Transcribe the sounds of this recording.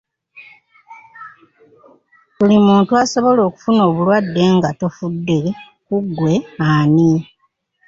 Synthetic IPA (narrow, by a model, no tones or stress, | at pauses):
kulimuːntuaso̞βo̞lo̞ːku̥funo̞ːβulwadːe̞ŋɡatofudːe | kuɡːwe̞aːni